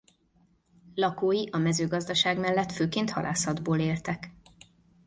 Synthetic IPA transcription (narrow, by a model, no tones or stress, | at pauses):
lɒkoːjiʔɒmɛzøːɡɒzd̪ɒʃaːɡmɛlːɛt̪føːkeːnt̪hɒ̰lʔa̰ːsɒd̪boːleːlt̪ɛk